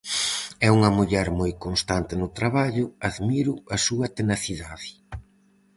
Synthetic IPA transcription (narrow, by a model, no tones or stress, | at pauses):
ɛuŋɐmuʎɛɾmojkonst̪ant̪ɪnʊt̪ɾaβaʎʊaðmiɾʊɐsuɐt̪enaθiðaðɪ